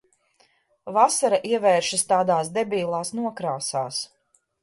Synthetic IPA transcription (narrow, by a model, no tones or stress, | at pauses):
vasaɾaʔiɛvɛːɾʃast̪aːd̪aːsd̪ɛbʲiːlˠaːsnuɔkɾaːsaːs